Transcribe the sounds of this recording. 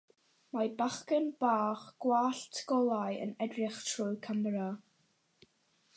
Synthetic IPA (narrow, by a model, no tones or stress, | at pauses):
mabaχkənbaːχɡ̥waːɬtʰɡɔlˠajə̰nɛdrɪχtʰrʊɨkʰamɛɾa